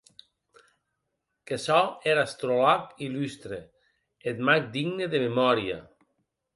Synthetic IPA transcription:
kesɔeɾast̪ɾolakilyst̪ɾe | et̪mak̚d̪iɣneðememɔɾja̰

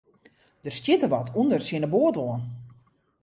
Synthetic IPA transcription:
dəstjɪtəʋɔtʰundərsjɪnəboətʋoən

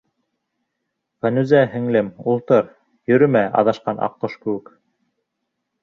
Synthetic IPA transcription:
fænʉzæɦɘ̆ŋlɘmulˠt̪ɤɾ | jɵ̆ɾɵ̆mæɑ̰ðɑʃqɑnʔɑ̰qːoʃkɘ̆wɘk

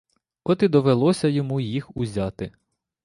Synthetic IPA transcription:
ɔt̪id̪ɔʋelˠɔsʲɐjɔmujixuzʲɑt̪ɪ

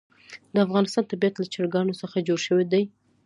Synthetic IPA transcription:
d̪əafɣɑnɪst̪ɑnt̪abijat̪lat͡ʃaɽɡɑnosəxad͡ʒoɽʃəwed̪aj

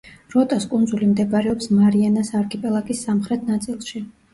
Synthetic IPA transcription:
ɾɔt̪ʼaskʼund̪zulimd̪ɛbɾɛɔpsmaɾianasaɾkʰʼipʼɛlˠakʼisːamχɾɛt̪ʰnat̪sʼilˠʃi

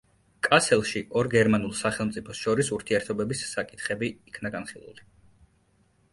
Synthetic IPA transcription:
kʼasɛlˠʃiʔɔɾɡɛɾmanulˠsaχɛlˠmt̪sʼipʰɔsʃɔɾisuɾt̪ʰiɛɾt̪ʰɔbɛbisːakʼit̪ʰχɛbiːkʰnaɡanχilˠṵli

